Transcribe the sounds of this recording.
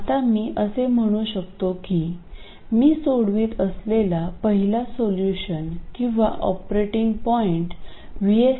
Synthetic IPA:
at̪amiːʔəsem̤əɽ̃uːɕək̚t̪oki | miːsoɽʋiːt̪əslelapəɦilasoljuɕənkĩw̃ʋaʔɔpɾeʈiŋɡpɔiɳʈ | ʋie

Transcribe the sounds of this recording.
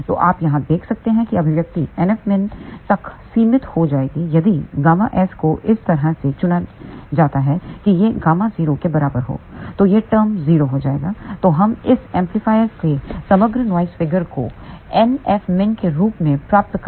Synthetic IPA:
t̪o̰ːʔaːpjɐɦãd̪eːkʰsɐk̚t̪eɦɛ̃kiɐbʱɪʋjɐk̚t̪iɛnɛfmɪnt̪ɐksiːmɪt̪hod͡ʒaːeːɡijɐd̪iɡaːmaʔɛːskoʔɪst̪ɐɾɦãset͡ʃʊnad͡ʒaːt̪aɦɛkijeɡaːmaziːɾokebɐɾaːbəɾɦo̰ːt̪oːjeʈəːɾmziːɾoɦod͡ʒaːḛːɡaːt̪oɦɐmɪsɛ̃ːmplifaːɪəɾkesɐməɡɾnʋaːɪsfɪɡəɾko̰ɛnɛːfmɪnkeɾuːpmẽpɾaːp̚t̪k

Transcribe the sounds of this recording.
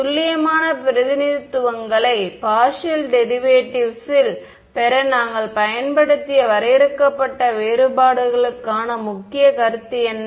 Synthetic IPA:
ʊlːɪjɐmaːnɐpɪɾɐðɪnɪɾɯt̪ːɯʋɐŋɡɐɭɐɪpaːʂɐlɖɛɾɪʋeːʈːɪʋsɪl | pɛɾɐnaːŋɡɐɭpɐjɐnbɐɽɯt̪ːɪjɐʋɐɾɐjɪɾɯkːɐpːɐʈːɐʋeːɾɯbaːɽɯɣɐɭɯkːaːnɐmʊkːɪjɐkɐɾɯt̪ːɪjɛnː

